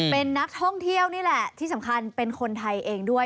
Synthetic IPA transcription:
pe˧nːa˦˥k̚t̪ʰɔ˥˩ŋt̪ʰi˥˩əwniː˥˩lɛ˨˩t̪ʰiː˥˩sa˩˦mkʰa˧npe˧nkʰo˧nt̪ʰa˧jʔeː˧ŋdu˥˩əj

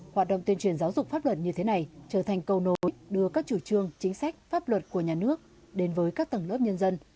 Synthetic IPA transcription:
hwaː˨˩t̚ɗə̰˧˨wŋ͡mt̪wi˧ənt͡ɕwi˧˩ənzaː˨˦wzʊ˨˩k͡p̚faː˦˥p̚lwə˨˩t̚ɲɨ˧t̪ʰe˨˦na˨˩jt͡ɕəː˧˩t̪ʰa˨˩ŋ̟kə˧wno˨˦jɗɨ˧əkaː˦˥k̚t͡ɕu˧˩t͡ɕɨ˧əŋt͡ɕï˨˦ŋ̟sa˦˥jk̟̚faː˦˥p̚lwə˨˩t̚ku˧˩əɲaː˨˩nɨ˦˥ək̚ | ɗe˨˦nvəː˨˦jkaː˦˥k̚t̪ə˨˩ŋləː˦˥p̚ɲə˧nzə˧n

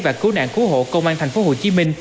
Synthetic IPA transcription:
vaː˨˩kɨ˨˦ɗa̰ː˧˨ŋku˨˦ɦo̰˧˨kə˧wŋ͡mʔaː˧nt̪ʰɛ˨˩jŋ̟fo˨˦ɦo˨˩t͡ɕi˨˦mï˧ŋ̟

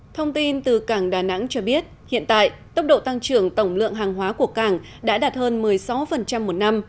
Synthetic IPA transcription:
t̪ʰə˧wŋ͡mt̪i˧nt̪ɨ˨˩kaː˧˩ŋɗaː˨˩na̰˧˥ŋt͡ɕɔ˧ɓi˦˥ət̚ | hḭ˧˨ənt̪a̰ː˧˨jt̪ə˦˥k͡p̚ɗo̰˧˨t̪a˧ŋt͡ɕɨ˧˩əŋt̪ə˧˩wŋ͡mlɨ̰˧˨əŋɦaː˨˩ŋɦwaː˨˦ku˧˩əkaː˧˩ŋ | ɗa̰ː˧˥ɗaː˨˩t̚həː˧nmɨ˨˩əjsa˨˦wfə˨˩nt͡ɕa˧mːo˨˩t̚na˧m

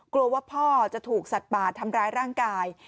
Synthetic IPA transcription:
klu˧ɐwaː˥˩pʰɔː˥˩t͡ɕa˨˩ʔt̪ʰuː˨˩k̚sa˨˩t̪̚baː˨˩t̪ʰːa˧mɾaː˦˥jɾaː˥˩ŋkaː˧j

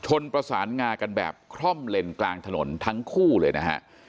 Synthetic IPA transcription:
t͡ɕʰo˧npɾa˧saː˩˦nŋaː˧ka˧nbɛ̰ː˨˩p̚kʰɾɔ˥˩mle˧nklaː˧ŋt̪ʰa˧no̰˩˦nt̪ʰa˦˥ŋkʰuː˥˩lɤː˧jna˦˥kʰa̰˦˥ʔ

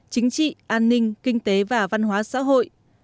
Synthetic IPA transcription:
t͡ɕï˨˦ŋ̟t͡ɕḭ˧˨ʔaː˧nːï˧ŋ̟kï˧ŋ̟t̪e˨˦vaː˨˩va˧nɦwaː˨˦sa̰ː˧˥ɦo̰˧˨j

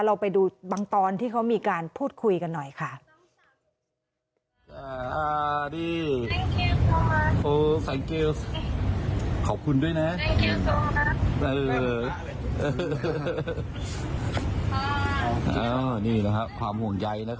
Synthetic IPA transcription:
ɾa˧wpa˧jduː˧baː˧ŋt̪ɔː˧nt̪ʰiː˥˩kʰa˦˥wmiː˧kaː˧npʰuː˥˩t̪̚kʰu˧jka˧nːɔ˨˩jkʰa˥˩ʔ | a˧a˧˩diː˧˥˩ | ʔoː˧˩fɛ˧ŋkeː˧s | kʰɔː˨˩p̚kʰu˧ndu˥˩əjna˦˥˧ | ʔɤː˧ | ʔː | ʔaː˧˩niː˥˩na˦˥kʰa˦˥p̚kʰwaː˧mhu˨˩əŋja˧jna˦˥

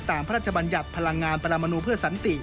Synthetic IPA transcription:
t̪aː˨˧˩mpʰa˦ɾaː˥˩t̪̚t͡ɕʰa˧ba˧nja˨˩t̪̚pʰa˧la˧ŋːaː˧npʰa˧ɾa˧mːa˧nuː˧pʰɯ˥˩ɐsa˩˦nt̪i˨˩

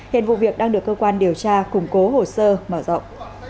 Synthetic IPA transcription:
hḭ˧˨ənvṵ˧˨vi˨˩ək̚ɗaː˧ŋɗɨ˨˩əkːəː˧kwaː˧nɗi˨˩əwt͡ɕaː˧kʊ˨˧˩ŋ͡mko˨˦ho˨˩səː˧məː˧˩zɔ̰˧˨wŋ͡mʔ

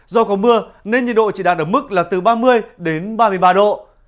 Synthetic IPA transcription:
zɔ˧kɔ˨˦mɨ˧əne˧nɲḭ˨nɗo̰˧˨t͡ɕi˧˩ɗaː˨˩t̚ʔəː˧˩mɨ˦˥k̚laː˨˩t̪ɨ˨˩ɓaː˧mɨ˧əjɗe˨˦nɓaː˧mɨ˧əjɓaː˧ɗo̰˧˨

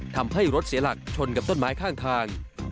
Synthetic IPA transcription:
t̪ʰa˧mɦa˥˩jɾo˦˥t̪̚si˩˦ɐla˨˩k̚t͡ɕʰo˧nka˨˩p̚t̪o˥˩nmaː˦˥jkʰaː˥˩ŋt̪ʰaː˧ŋ

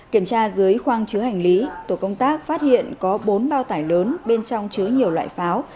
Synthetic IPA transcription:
ki˧˩əmt͡ɕaː˧zɨ˨˦əjxwaː˧ŋt͡ɕɨ˨˦əha˨˩jŋ̟li˨˦t̪o˧˩kə˧wŋ͡mt̪aː˦˥k̚faː˦˥t̚hḭ˧˨ənkɔ˨˦ɓo˨˦nɓaː˧wt̪aː˧˩jləː˨˦nɓe˧nt͡ɕɔ˧wŋ͡mt͡ɕɨ˨˦əɲi˨˩əwlwa̰ː˧˨jfaː˨˦w

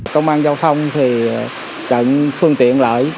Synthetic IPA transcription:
kə˧wŋ͡mʔaː˧nzaː˧wt̪ʰə˧wŋ͡mt̪ʰi˨˩ | t͡ɕə̰˧˥nfɨ˧əŋt̪ḭ˧˨ənlə̰ː˧˩j

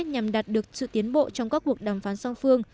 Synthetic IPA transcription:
ɲa˨˩mɗaː˨˩t̚ɗɨ˨˩ək̚sɨ̰˧˨t̪i˨˦ənɓo̰˧˨t͡ɕɔ˧wŋ͡mkaː˦˥kːu˨˩ək̚ɗaː˨˩mfaː˨˦nsa˧wŋ͡mfɨ˧əŋ

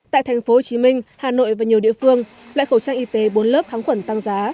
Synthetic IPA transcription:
t̪a̰ː˧˨jt̪ʰa˨˩ŋ̟fo˨˦ho˨˩t͡ɕi˨˦mï˧ŋ̟haː˨˩no̰˧˨jvaː˨˩ɲi˨˩əwḭ˧˨əfɨ˧əŋ | lwa̰ː˧˨jxə˧˩wt͡ɕaː˧ŋʔi˧t̪e˨˦ɓo˨˦nləː˦˥p̚xaː˨˦ŋxwə˧˩nt̪a˧ŋzaː˨˦

